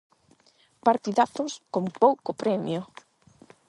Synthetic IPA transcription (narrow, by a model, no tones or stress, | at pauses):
paɾt̪iðaθʊskompowkʊpɾɛmj̰ʊ